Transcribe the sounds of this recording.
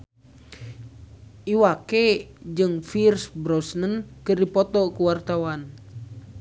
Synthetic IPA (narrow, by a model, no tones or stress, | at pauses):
ʔiwakɛd͡ʒɨŋfirsbɾɔsnənkɨrdipɔt̪ɔkuwart̪awan